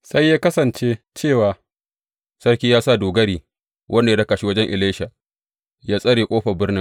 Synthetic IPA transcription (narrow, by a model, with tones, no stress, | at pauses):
sa˦jːaː˦kɐ˦sɐ˨nt͡ʃe˦t͡ʃeː˦˨waː˨ | sɐ˦rkʲiː˦jaː˦sa˦˨doː˨ɡɐ˦ɾiː˨ | wʔɐ˦nda˨a˦da˦ka˨ʃi˦wɐ˦d͡ʒɛ˦ŋʔɪ˨leː˦ʃa˨ | jaː˦sʼɐ˦ɽeː˨kʷʼoː˦ɸɐ˨bɪ˦ɽnɪ˦ŋ